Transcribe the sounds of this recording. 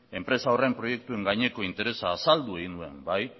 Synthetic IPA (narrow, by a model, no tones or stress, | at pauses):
e̞mpɾe̞saore̞mpɾo̞je̞k̚t̪ue̞ŋɡajɲe̞ko̞int̪e̞ɾe̞saːsald̪ue̞ɣinue̞̰mbaj